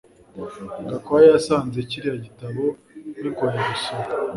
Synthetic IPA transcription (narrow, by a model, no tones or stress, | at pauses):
ŋɡakwajejasaːnze̞ciɾijaɟitaβo | nikoɲeɾusoɾ